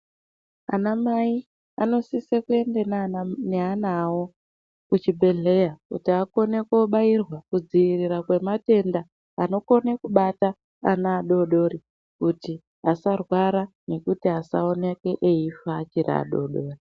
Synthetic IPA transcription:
a̰namai | ano̞sisekue̞ndenneanawo̞ | kut͡ʃibʱe̞ɮe̞jakṵtiako̞ne̞koɓairwakud͡ziiriɾakwe̞mate̞ndaː | no̞ko̞nekuɓataː | naːɗo̞ɗo̞ɾi | kuti | asarwaɾa | ne̞kutiɦasao̞neke̞ʔeifaːt͡ʃiɾa̰ːɗo̞ɗo̞ːri

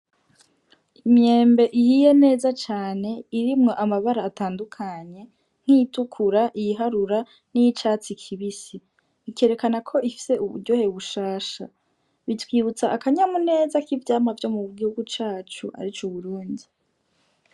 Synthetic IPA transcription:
imje̞ːmbe̞ʔijije̞ne̞ːzat͡ʃaːne̞iɾimŋo̞ʔamaβaɾaːtaːndukʰaɲe̞ | ŋ̥ijitukʰuɾaʔijiɦaɾuɾa | nijit͡ʃaːt͡sikʰiβisi | ike̞ːɾe̞kanakʰo̞ʔifi̥se̞ʔuβṵɾɟo̞he̞βuʃaːʃa̰ | βitwiːβut͡saʔːkaɲamune̞ːzakivjaːmavjo̞muɡihuɡut͡ʃaːt͡ʃuʔa̰ɾit͡ʃuβuɾuːndi

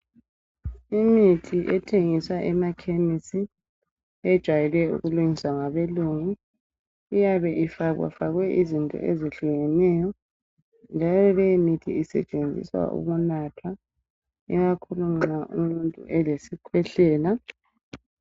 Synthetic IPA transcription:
imitʰiʔɛtʰeŋiswaʔɛmakʰemisi | ɛd̥ʒ̥ʱwajɛlɛṵɣuluŋiswaŋaβeluŋi | ijaβɛʔifaɣwa̰faɣwɛʔizintʼɔ̰ʔeziɬuɣɛnɛjɔ | nd͡ʒʱalɔlɛjimitʰiːsɛt͡ʃʼend͡zʱḭswa̰ʔṵɣunatʰwa | ɛɣakʰulumnaʔṵmuntʼṵʔɛlesikʰwɛɬɛːla

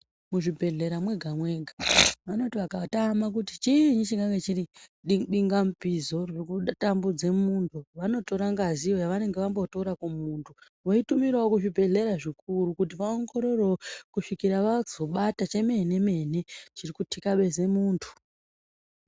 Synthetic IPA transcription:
muʐibʱe̞ɮe̞ɾamweɡʱamwe̞ɡʱaʋano̞tiʋakatamak̬utit͡ʃiɲut͡ʃiŋɡaŋɡe̞t͡ʃiriiɓiŋɡamupizo̞rekutambud͡ze̞muntʰuʋano̞to̞ɾaŋɡazio̞jaʋane̞ŋɡe̞ʋambotoɾakumuːntʰu | ʋo̞itumiɾaokuʐibʱe̞ɮe̞ɾaʐik̚uɾukut̬iʋaoŋɡo̞ɾo̞rokuʂikiɾaʋazo̞ɓatat͡ʃe̞me̞ne̞me̞ːne̞t͡ʃirikutʰikaɓe̞ze̞muːntʰu̥

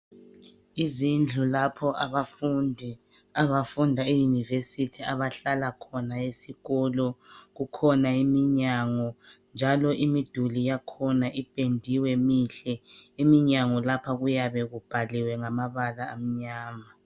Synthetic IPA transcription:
izind͡ɮʱulapʰɔaβaf | aβafundʱaejunivesitʰiaβaɬalakʰɔnaesiɣɔlɔɣukʰɔnaimiɲaŋɔnd͡ʒʱalɔʔimid̥ʱulijakʰɔnaʔipʼendʱiwɛmiɬɛimiɲaŋɔlapʰaɣujaβɛɣub̥ʱaliwɛŋamaβalaːm̩ɲaːma

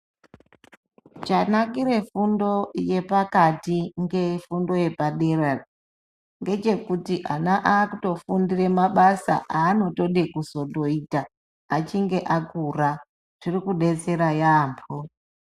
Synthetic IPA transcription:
t͡ʃanakiɾe̞fundo̞je̞pakatiŋɡe̞fundo̞je̞paɗe̞rar | ŋɡe̞t͡ʃe̞kutiʔanaʔaːkuto̞fundire̞maɓasa̰ʔaːno̞to̞ɗekuzo̞ɗo̞itaː | t͡ʃiŋɡe̞ʔakura | ʐ̥irikuɗe̞t͡se̞ɾajaːmpʰo

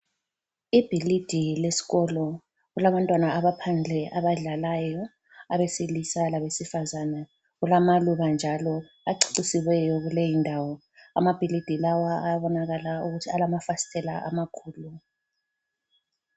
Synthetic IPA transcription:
ib̥ʱilid̥ʱilesi̥ɣɔlɔ | ɣulaβantʼwanaaβapʰand͡ɮʱɛʔaβaɮalajɔ | aβesilisalaβesifazana | ɣulamaluβand͡ʒʱalɔ | aǀi̥ǀisiwɛjɔɣulejindʱawɔ | a̰mab̥ʱilid̥ʱilawaajaβɔnaɣalauɣutʰialamafasi̥tʰɛla̰ʔa̰makʰuːlu

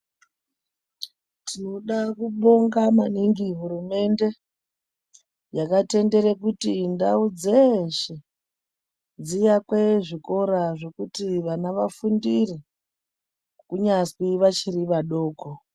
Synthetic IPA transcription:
tʰino̞ɗakuɓo̞ŋɡamaniŋɡiɦurume̞nde̞ | jakate̞nde̞ɾekutindaud͡zeʃe | d͡zijakweʐiko̞ɾaʐe̞kutiʋanaʋafundiri | kuɲaswiʋat͡ʃiɾiʋaɗo̞ːko

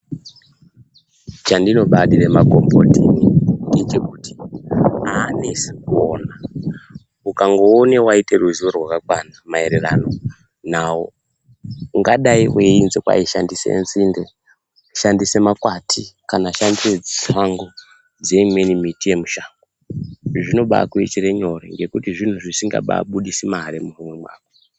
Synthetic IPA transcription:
t͡ʃandino̞ɓaɗiremaɡʱo̞mbo̞̰tinindit͡ʃekuti̥ | aːnisioːna | ukaŋɡo̞ːne̞waite̞ruʒiʋorwakakwanamaeɾera̰no̞ | nawo | uŋɡaɗaiweinzekwa̰iʃandisḛnzinde | ʃandise̞makwatʰikanaʃandised͡ziʂaŋɡo | d͡ze̞imwe̞nimitije̞muʃaːŋɡo | ʐino̞ɓa̰kuit͡ʃiɾeɲo̞ɾḛŋɡe̞kutiʐin̤uʐisiŋɡa̰ɓa̰ɓuɗisimaɾemurumwe̞mwa̰ːko

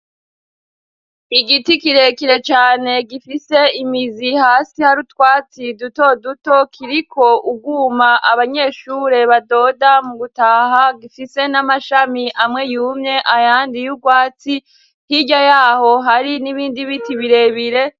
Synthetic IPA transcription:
iɡitikiɾe̞kiɾe̞t͡ʃaːne̞ɡifise̞imizihaːsihaɾutwaːt͡siduto̞duto̞kʰiɾikʰo̞ʔuɡuːmaʔaβaɲe̞ʃuɾe̞βado̞damuɡutahaɡifise̞namaʃamiʔamŋe̞juːmɲe̞ʔajaːndijuɡwaːt͡si | hiɟajaːho̞ɦaɾiniβiːndiβitiβiɾe̞βiɾe̞

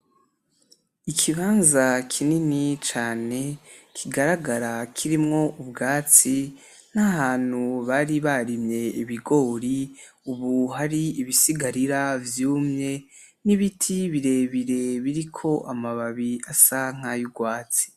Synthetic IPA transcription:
ikʰiβaːnzakʰininit͡ʃaːne̞kʰiɡaɾaɡaɾakʰiɾimŋo̞ubɡaːt͡si | n̥ahaːn̥huβaɾiβaɾimɲe̞iβiɡo̞ːɾi | uβuɦaɾiiβisiɡaɾiɾavjuːmɲe̞ | niβitʰiβiɾe̞βiɾe̞βiɾikʰo̞ʔamaβaβiasaŋ̥ajuɡwaːt͡si̥

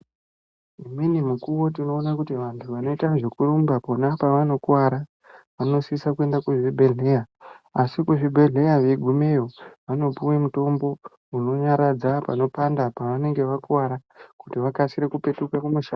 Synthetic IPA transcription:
iminimukuʋo̞tino̞ːnakutiʋantʰuʋano̞itaʐekurumbaponapaʋano̞kwaɾa | ʋano̞sisakue̞ndakuʐibʱeɮe̞jaasikuʐibʱe̞ɮe̞jaʋe̞ɡʱumejo̞ʋano̞puwemuto̞mbo̞ | uno̞ɲaɾad͡zapa̰no̞pandapaʋane̞ŋɡe̞ʋakwaɾakutiʋakasiɾekupe̞tukakumuʃa

